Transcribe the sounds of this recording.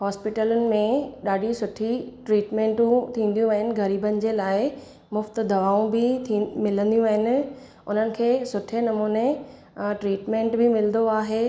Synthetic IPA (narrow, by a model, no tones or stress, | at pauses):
hɔːspɪʈələnɪ̆mẽɗaːɖʱisʊʈʰiʈɾiːʈmẽːɳʈũt̪ʰĩːn̆d̪ijũɐɦɪnɪ̆ɡɐɾiːbənɪ̆d͡ʑeːlaːɪ | mʊft̪d̪ʱɐʋaːũbɪmɪlə̃nd̪ijũɐɦɪnɪ̆ | ʊn̤ənɪ̆kʰeːsʊʈʰenɐmuːne | ʈɾiːʈmẽːɳʈbɪmɪlnd̪oaːɦeː